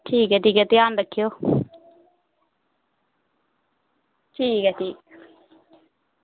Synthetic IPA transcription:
ʈʰiːkɛʈʰiːkɛt̪ɪjaːnd̪əkʰːijo | ʈʰiːkɛʈʰiːk

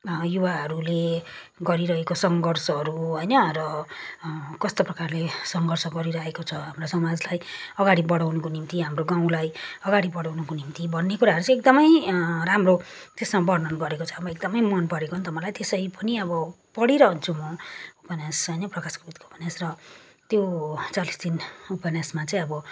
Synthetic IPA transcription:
jubaɦʌɾule | ɡʌɾiɾʌɦekosʌŋɡʌrsʌɦʌɾuɦʌjnʌrʌ | kʌst̪oprʌkarlesʌŋɡʱʌrsʌɡʌɾiɾʌɦekot͡sʰʌɦamrasʌmad͡zlajʌɡaɽibʌɽawnʌkonimt̪iɦamroɡaw̃lajʌɡaɽibʌɽawnʌkonimt̪ibʱʌnːekuɾaɦʌɾut͡sãek̚d̪ʌmʌjramro | t̪esmabʌrnʌnɡʌɾekot͡sʰʌːbʌek̚d̪ʌmʌjmʌnpʌɽekoʌnt̪ʌmʌlajt̪esʌipʌniʌbʌ | pʌɽiɾʌɦʌnt͡sʰumʌupenasɦʌjnʌprʌkaskoud̪koupʌnasrʌt̪jot͡salisd̪inupʌnasmat͡saĩʌbʌ

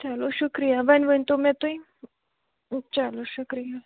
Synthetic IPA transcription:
t͡ɕaloɕukɾijaʋanʋənt̪omɛ̃t̪uĩ | t͡saloɕukɾija

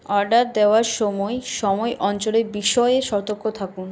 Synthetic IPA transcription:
ɔɾɖaɾd̪eoaɾʃɔmɔeʃɔmɔeʔɔnt͡ɕoleɾbiʃɔeeʃɔt̪oɾkʰːot̪ʰakun

